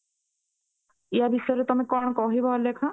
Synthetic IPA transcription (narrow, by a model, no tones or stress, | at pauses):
ijabʱisɔjɾet̪ɔmekɔɳ̃ɔkɔɦibɔlekʰa